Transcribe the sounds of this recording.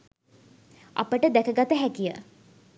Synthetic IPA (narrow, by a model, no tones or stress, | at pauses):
a̰pəʈəd̪ækəɡat̪əɦækijə̰